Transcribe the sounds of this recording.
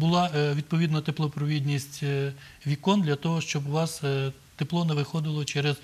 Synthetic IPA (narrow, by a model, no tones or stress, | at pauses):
bʊlˠɑʋʲid̪̚pɔʋʲid̪nɐt̪eplˠɔpɾɔʋʲid̪ʲnʲisʲtʲ | ʋʲikɔnd̪lʲɐt̪ɔɦɔʃt͡ʃɔbʊʋɑs | t̪eplˠɔneʋɪxɔd̪ɪlˠɔt͡ʃɛɾɛz̥